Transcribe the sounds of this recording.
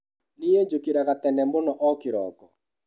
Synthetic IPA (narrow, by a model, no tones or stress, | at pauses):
nijed͡ʒokiɾaɣat̪ɛnɛmbʊnɔʔɔkɪɾɔ̰kɔ